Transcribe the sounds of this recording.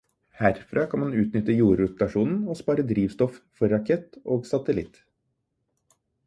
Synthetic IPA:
hæɾfɾʔɑːkʰɑnmɑnʉːt̪nʏt̪əjuːɾʉt̪ɑʂuːnn̩ɔspɑːɾəd̪ɾiːʋst̪ɔffɔɾɑkʰɛt̪ːoːɡsɑt̪əlɪt̪

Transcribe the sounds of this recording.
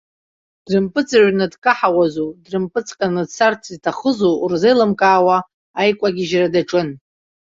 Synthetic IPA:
d̥rɨmpʼɨt͡sʼaʒʷnɨdkʼaħawazudrɨmpʼɨt͡sʼqʼanɨdsart͡sʰiztʰaχəzurzejlɨmkʼaːwa | ajkʷʼaɡʲɪʒradaʈ͡ʂʼɨn

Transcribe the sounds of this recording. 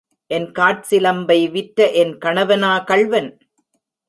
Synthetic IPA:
ʔɛnkaːʈ̚sɪlɐmbɐɪʋɪʈːɐʔɛnkɐɳɐʋɐnaːkɐɭʋɐn

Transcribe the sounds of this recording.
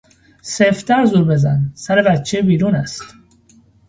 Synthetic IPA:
seft̪ʰæɾzuːɾbezæ̰nsæɾebæt̪t͡ʃʰebiːɾuːnæst̪

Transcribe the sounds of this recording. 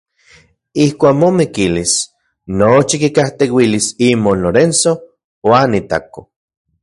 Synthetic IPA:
ihkʷaːkmomikilis | not͡ʃikikaht̪ewilisimonloɾenso | wanit̪a̰ko

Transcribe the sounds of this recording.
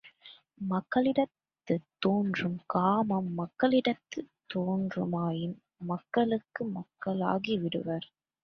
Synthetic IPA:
mɐkːɐɭɪɽɐt̪ːɯt̪ːoːndrɯmkaːmɐmːɐkːɐɭɪɽɐt̪ːɯt̪ːoːndrɯ̰maːjɪn | mɐkːɐɭɯkːɯmɐkːɐɭa̰ːɣiʋɪɽɯʋɐɾ

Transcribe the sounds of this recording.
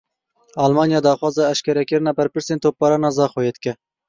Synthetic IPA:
ɑːlmɑːnjɑːd̪ɑːxwɑːzɑɛʃkʲɛɾɛkɨɾɨnɑbɛɾpɨɾseːnt̪ʰoːp̚ːɑːɾɑnɑzɑːxojeːd̪kʲɛ

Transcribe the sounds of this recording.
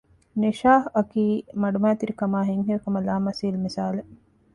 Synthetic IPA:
neʃaːɦɐkiːmɐɖumæːt̪iɾikɐmaːɦiŋɦiɐkɐmɐlaːmɐsiːlmisaːle

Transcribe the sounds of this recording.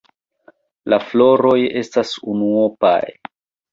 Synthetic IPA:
laflo̞ɾo̞je̞stasunuopa̰j

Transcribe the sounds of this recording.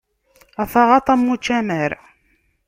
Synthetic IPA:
æθɑʁɑt̪ˤɑmːut͡ʃːæməɾ

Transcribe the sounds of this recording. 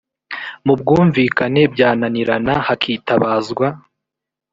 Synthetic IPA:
mub̚ɡuːɱviːkane̞bɟaːnaniɾanahakʰiːtaβaːzɡwa

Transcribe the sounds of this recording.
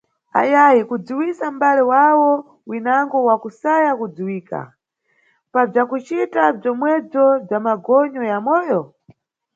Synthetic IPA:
a̰jajikud͡ziwisam̩balɛwawɔ | winaŋɡɔwakusajakud͡ziwiːka̰ | pab͡ʐakut͡ʃitab͡ʐɔmwɛb͡ʐɔb͡ʐamaɡɔɲɔjamɔːjɔ

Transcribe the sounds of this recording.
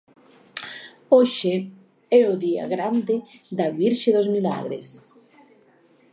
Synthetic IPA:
oʃe | ɛoðia̰ɣɾand̪eðaβiɾʃeðozmila̰ɣɾḛs

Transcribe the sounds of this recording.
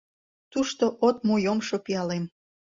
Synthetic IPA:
t̪uʃt̪oʔot̪̚mojomʃopiɑlem

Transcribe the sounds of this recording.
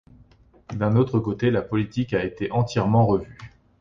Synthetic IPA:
d̪ɛ̃not̪χəkot̪elapɔlit̪ikaet̪eʔɑ̃t̪jɛʁmɑ̃ʁəvy

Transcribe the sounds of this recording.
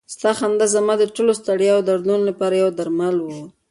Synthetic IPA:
st̪ɑxand̪azamɑd̪əʈolost̪aɽjawd̪aɾd̪unolapɑɾajawd̪aɾmalwu

